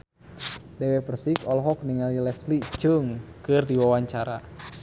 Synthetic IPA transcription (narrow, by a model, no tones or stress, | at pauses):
dɛwɛpərsikɔlɦɔk̚niŋalilɛslid͡ʒəŋkɨrdiwawaɲt͡ʃaɾa